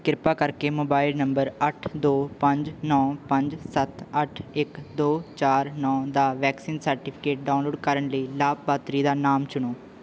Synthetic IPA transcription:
kɪɾpaːkəɾkeːmoːbaːɪlnəmbəɾəʈʰd̪oːpəɲd͡ʒnɔːpə̃ɲd͡ʒsət̪əʈʰɪkd̪oːt͡ʃaːɾnɔːd̪aːʋɛːksiːnsəɾʈɪːpʰɪ̥keːʈ̚ɖãːnloːɖkəɾəɳləiːlaːb̚baːt̪ɾiːd̪aːnaːmt͡ʃʊɳoː

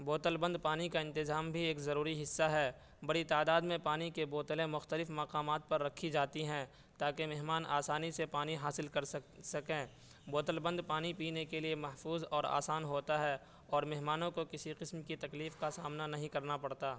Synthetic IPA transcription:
boːt̪əlbə̃nd̪̚paːnikaɪ̃nt̪ɪzaːmbʱieːkzɐɾuːɾiɦɪsːaɦɛː | bɐɽit̪aːd̪aːd̪mẽpaːnikeboːt̪əlẽmʊxt̪əlɪfmɐqaːmaːt̪̚pɐɾːɐkʰːid͡ʒaːt̪iɦɛ̃ː | t̪aːkemɛɦmaːnʔa̰ːsaːnisepaːniɦaːsɪlkɐɾsɐkẽː | boːt̪əlbə̃nd̪paːnipiːnekeliemɐɦfuːzɔːɾa̰ːsaːnɦoːt̪aɦɛː | ɔːɾmɛɦmaːnõkokɪsiqɪsmkit̪ɐkliːfkasaːmnanɐɦĩkɐɾnapɐɽt̪aː

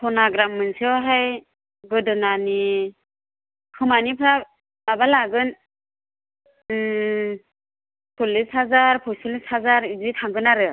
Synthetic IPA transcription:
pʰɔnaɡɾamːɯnsiwɦaj | ɡɯdɯnani | kʰɯmanipʰɾa | abalaɡɯn | pʰulishazaɾpʰɔsulishazaɾizitʰaŋɡɯnaɾɯ

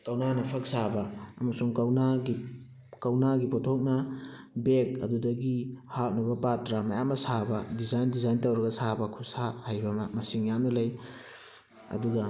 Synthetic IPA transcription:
kɐwnanɐpʰɐk̚sabɐɐ̰mɐsuŋkɐwnaɡi | kɐwnaɡipotʰok̚nɐ | bek̚ɐ̰dudɐɡihap̚nɐbɐpatɾamɐjamːɐsabɐdizajndizajntɐwɾɐɡɐsabɐkʰusahajbɐmmɐsiŋjamnɐlɐj | ɐ̰duɡɐ

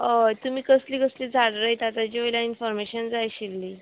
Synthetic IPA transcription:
ət̪um̤iːkəsliːkəsliːd͡zʱaɽɾəjt̪at̪ad͡ʑeljainfɔɾmeɕənd͡zajɕilːiː

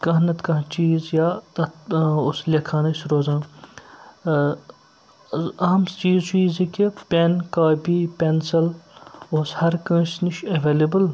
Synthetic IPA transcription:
kɐɦnɐt̪kɐɦt͡ʃiːzjaːt̪ɐt̪oslʲɐkʰaːnɐsɾoːzãː | ɐɦɐmt͡ʃiːzt͡ʃiːzikʲepʲenkaːbiːpensɐloːshɐɾkɐ̃ːsniʃɐʋeːlɐbəl

